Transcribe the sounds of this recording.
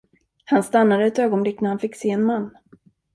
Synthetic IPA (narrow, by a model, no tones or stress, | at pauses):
hanst̪anːad̪əɛt̪øːɡɔnblɪkːnæɾhanfɪkːseːɛnmanː